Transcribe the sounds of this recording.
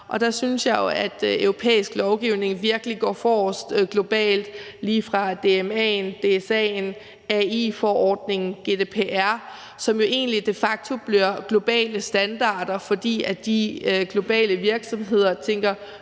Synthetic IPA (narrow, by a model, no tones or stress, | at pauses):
ʔɒ̽d̥æsynsjɑ̈ɪjo̝æd̥øʊʁo̝pʰḛːisɡ̥lɒʊɡ̥iʊne̝ŋʋiɐɡ̥əliɡ̥ɒ̰ːfɒsd̥ɡ̥lo̝b̥ɛ̰ːld̥ | liːfʁɑ̈d̥e̝emɛ̰ːnd̥e̝sɛn | ɛḭːfɒʔɒːd̥ne̝ŋn̩ɡ̥e̝d̥e̝pʰe̝ʔæɐ̰ | sɒ̽mjo̝ʔe̝̰ːnlid̥e̝fɑ̈ɡ̥̚t͡sʰo̝b̥liɐ̰ɡ̥lo̝b̥ɛ̰ːləsd̥ænd̥ɑ̈ːd̥ɐfɒ̽d̥ḭːæd̥iɡ̥lo̝b̥ɛ̰ːləʋiɐɡ̥sɒ̽mɦe̝ð̞̰ˠɐt͡sʰeŋ̰ɡ̥ɐ